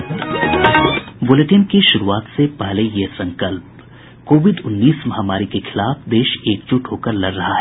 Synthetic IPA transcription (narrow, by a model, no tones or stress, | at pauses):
bʊleʈɪnkiʃʊɾuaːt̪sepɛɦlejesɐ̃ŋkəlp̚ | koːʋɪɖʊnːiːsmɐɦamaːɾikexʰɪlaːfd̪eːʃeːk̚t͡ʃʊʈɦoːkəɾlɐɾːɐɦaɦɛː